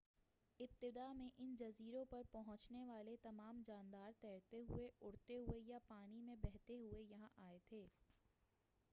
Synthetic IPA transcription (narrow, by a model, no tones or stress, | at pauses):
ɪb̚t̪ɪd̪amẽʔɪnd͡ʒɐziːɾõpɐɾpɐɦʊ̃t͡ʃneʋaːlet̪ɐmaːmd͡ʒaːnd̪aːɾt̪ɛːɾt̪eɦʊ̰eʊɽt̪eɦʊejapaːnimẽbɛɦt̪eɦʊejɐɦãʔaːet̪ʰeː